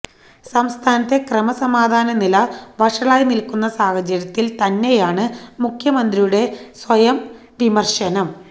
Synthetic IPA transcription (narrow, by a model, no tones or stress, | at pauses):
sɐmst̪ʰaːnɐt̪ːe̞krɐmɐsɐmaːd̪ʱaːnɐnilɐʋɐʂɐɭaːjinilkunːɐsaːhɐt͡ɕɐɾɐt̪ːilt̪ɐnːe̞jaːɳɨmukʰjɐmɐnd̪rijuɽe̞sʋɐjɐm | ʋimɐrɕɐnɐm